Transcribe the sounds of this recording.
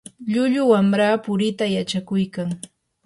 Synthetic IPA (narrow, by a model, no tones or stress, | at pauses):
ʎʊʎʊwamɾaːpʊɾɪt̪ajat͡ʃakʊjkaŋ